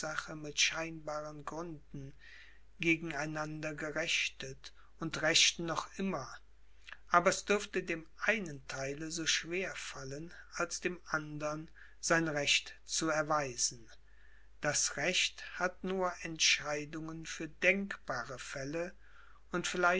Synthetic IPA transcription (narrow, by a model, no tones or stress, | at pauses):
zaχəmɪtʃaɪnbaːʁənɡʁʏndn̩ | ɡeːɡŋ̩aɪnandɐɡəʁɛçtət | ʊntʁɛʃt̩nɔχʔɪmɐ | ʔaːbɐɛsd̥ʏɐftədeːmʔaɪnəntʰaɪləzoːʃv̥eːɐfalən | ʔalsd̥eːmʔandɐn | z̥aɪnʁɛçtt͡suɛɐvaɪzn̩ | d̥asʁɛçthatnuːɐʔɛntʃaɪdʊŋənfyːɐdɛŋkb̥aːʁəfɛlə | ʊntfɪlaɪ